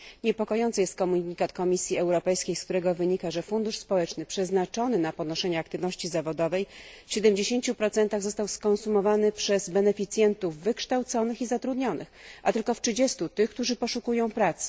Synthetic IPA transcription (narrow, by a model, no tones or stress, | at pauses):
ɲɛpɔkɔjɔnt̪sɨjɛst̪̚kɔmuɲɲikat̪kɔmʲisʲjiɛwɾɔpɛjskʲejskt̪uɾɛɡɔvɘɲikaʐɛfund̪uʂspɔwɛt͡ʂnɘpʂɛznat͡ʂɔnɘnapɔd̪nɔʂɛɲɛakt̪ɘvnɔɕt͡ɕizavɔd̪ɔvɛjfɕɛd̪ɛmd͡ʑeɕeɲt͡ɕupɾɔt̪sɛnt̪aɣzɔst̪awskɔ̃nsumɔvanɘpʂɛzbɛnɛfʲit̪sʲjɛnt̪uvːɘkʂt̪awt̪sɔnɘxizat̪ɾud̪ɲɔnʔɘ̰xʔa̰t̪ɘlkɔftɘd͡ʑɛst̪ut̪ɘxk̚t̪uʐɘpɔʂukujɔ̃w̃pɾat̪s